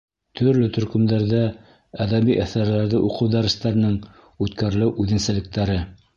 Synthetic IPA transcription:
t̪ʰɵ̆ɾlɵt̪ɵ̆ɾkɵ̆md̪æɾðæ | æðæβiʔæθæɾlæɾðɘʔuqɤwd̪æɾɘ̆st̪æɾɘ̆nɘŋ | ʉt̪kæɾlɘʔʉðɘ̆nsɘ̆lɘ̆k̚t̪æɾɘ

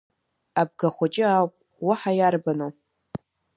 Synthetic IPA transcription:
ab̚ɡaχʷat͡ʃʼɪawpʼ | waħajarbano

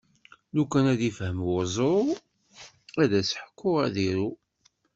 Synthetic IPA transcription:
lukːænæðifhəmwʊzˤo | æðæsħə̥kːʊʁæðiɾu

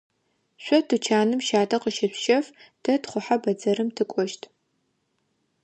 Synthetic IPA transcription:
ɕʷɔtʰɨt͡ʃʰaːnɨmʃaːtʰʼɐqəʃɪɕʃɐftʰɐtχʷʊħabɐd͡zɐɾɨmtʰɨkʷʼɔʃtʰ

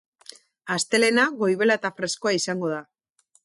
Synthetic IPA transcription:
ast̪e̞le̞naɣo̞jβe̞lat̪afɾe̞skoaisaŋɡo̞ð̞a

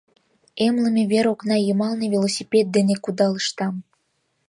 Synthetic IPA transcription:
emləmeβeɾoknɑjəmɑlnevʲelˠosʲipʲet̪̚d̪enekud̪ɑləʃt̪ɑm

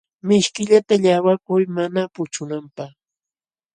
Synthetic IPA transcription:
mɪʃkɪʎat̪aʎawakʊjmanapʊt͡ʃʊnampaχ

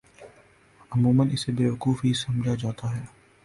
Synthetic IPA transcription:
ʊmũːmənɪsebeːʋɐkuːfɦisɐ̃md͡ʒʱad͡ʒaːt̪aɦɛː

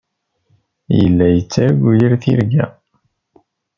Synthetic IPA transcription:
jə̰lːæjət͡sːaɾɡʷujəɾθḭɾɡæ̰

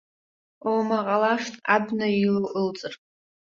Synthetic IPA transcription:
omaqʼalaʂtʰʼabnailɨʔɨlt͡sʼɨrʼ

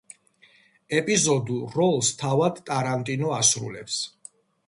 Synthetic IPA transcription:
ɛpʼizɔd̪uɾɔlˠst̪ʰavad̪t̪ʼaɾant̪ʼinɔasɾṵlɛps

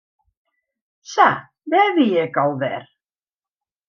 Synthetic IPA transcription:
sa | ðɛðijɛkawðɛ̰ɾ̥

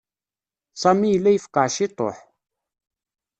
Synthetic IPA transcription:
sˤɑmijlːæjəfqɑʕʃit̪ˤo̰ħ

